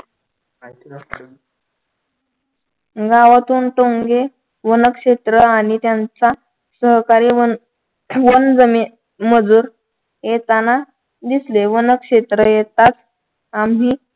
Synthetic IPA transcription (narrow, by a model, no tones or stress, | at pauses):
ɡaʋat̪uːnʈoŋɡe | ʋənəkʂet̪ɾəaɽ̃it̪jant͡sa | səɦkaɾiː | ʋond͡zəmiː | məd͡zuːɾ | jet̪ana | d̪isleʋənəkʂet̪ɾəjet̪at͡s | ami